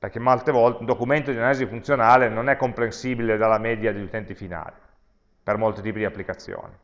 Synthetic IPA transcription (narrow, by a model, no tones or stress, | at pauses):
perk̟emːolt̪evɔlt̪nd̪okument̪od̪inalizifunt̪sjonaːlenonɛkːompɾensiːbiled̪alːamɛd̪jad̪eʎːut̪ɛnt̪ifina̰ːli | permolt̪it̪iːpid̪iapːlikat̪sːjo̰ːni